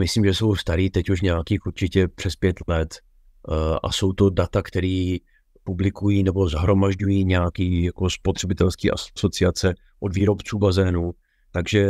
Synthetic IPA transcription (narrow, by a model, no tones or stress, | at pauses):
mɪslimʒɛso̞wst̪aɾiːt̪ɛcuʃɲɛakiːxuɾt͡ʃɪcɛpr̥ɛspjɛt̪lɛt̪ | ʔa̰so̞wt̪o̞dat̪akt̪ɛɾiː | publɪkujiːnɛbo̞zaɦɾo̞maʒɟujiːɲɛakiːjako̞spot̪r̥ɛbɪt̪ɛlskḭːʔa̰so̞t͡sɪat͡sɛ | ʔodviːɾo̞pt͡suːbazɛːnu | t̪aɡʒɛ